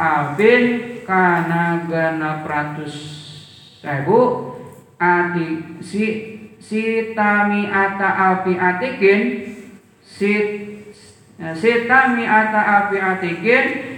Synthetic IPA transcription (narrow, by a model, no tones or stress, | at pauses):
apɪnkanaɡanapɾant̪ʊs | abu | at̪isisit̪amiʔat̪aʔapiʔat̪ikɪn | si | sit̪amiʔat̪aʔapiat̪ikɪn